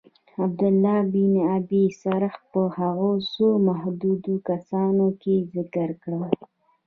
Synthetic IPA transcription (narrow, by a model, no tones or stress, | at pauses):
ab̚d̪ʊlːɑbinabisaɾəx̚pəhaɣosomahd̪ud̪okasɑnokezɪkəɾkɽəl